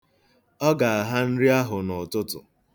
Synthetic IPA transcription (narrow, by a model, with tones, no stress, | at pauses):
ɔ˦ɡa˨a˨ɦa˦n̩˦ɾi˦a˦ɦʊ˨nɔ˨tʊ˦tʊ̰˨